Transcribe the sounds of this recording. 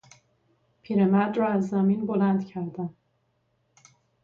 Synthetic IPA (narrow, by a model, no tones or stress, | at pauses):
pʰiːɾemæd̪ɾɒːæzːæminbo̞lænd̪cʰæɾd̪æm